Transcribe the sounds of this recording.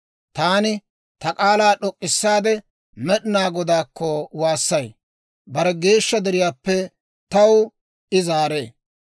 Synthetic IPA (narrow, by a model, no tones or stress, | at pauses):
t̪aːnɪ | t̪ɐkʼaːlaːɗɔkʼːɪsːaːd̪ɛ | mɛɗɪnaːɡɔd̪aːkʰːɔwaːsːɐj | bɐɾɛɡe̞ːʃːɐd̪ɛɾɪjaːpːɛ | t̪ɐw | ʔɪzaːɾe̞ː